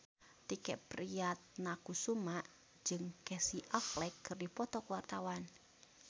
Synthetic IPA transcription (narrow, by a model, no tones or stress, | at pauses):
t̪ikɛʔpɾijat̪̚nakusumaʔ | d͡ʒɨŋkɛsiʔaflɛkːɨrdipɔt̪ɔkwart̪awan